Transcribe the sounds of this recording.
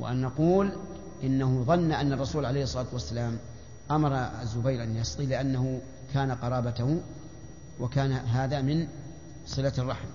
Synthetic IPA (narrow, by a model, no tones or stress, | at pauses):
wa̰ʔa̰nːɑquːl | ʔɪnːaɦʊðˤɑnːaʔanːɑrˤːɑsuːlʕalejhsˤːɑlaːt̪wasːalaːm | ʔamɑɾˤɑazːʊbajɾʔanjɑst̪ˤilɪʔanːaɦʊ | kʰaːnaqɑɾˤɑːbat̪ahʊ | wakaːnaɦaːðamɪn | sˤɨlarˤːɑħm